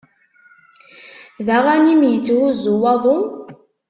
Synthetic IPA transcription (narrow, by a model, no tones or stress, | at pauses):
ðæʁænimjət͡sːwuzuwɑðˤo